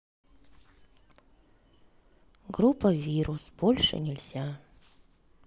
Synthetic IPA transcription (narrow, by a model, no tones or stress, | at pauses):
ɡɾupːəvʲiɾʊsb̥olʲʂɨ̰nʲɪlʲzʲa